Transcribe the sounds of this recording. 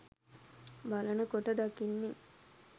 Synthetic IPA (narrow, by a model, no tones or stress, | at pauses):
balənəkoʈəd̪akinːi